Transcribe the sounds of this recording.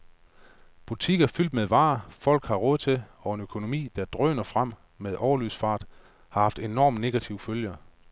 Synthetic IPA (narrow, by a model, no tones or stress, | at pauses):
b̥ut͡sʰiɡ̥ɐfyl̰d̥meðˠʋɑ̈ːfɒ̽l̰ɡ̥hɑ̈ʁɔ̽ːð̞̩ˠt͡sʰe̝ɒ̽e̝nøkʰo̝no̝mḭːd̥æɐd̥ʁœ̰ːnɐfʁam̰ | meðˠʔɒʊɐlyðˠsfɑ̈ːd̥ | hɑ̈hɑ̈fd̥e̝nɒ̰ːmne̝ɡ̥æt͡sʰiʊføljɐ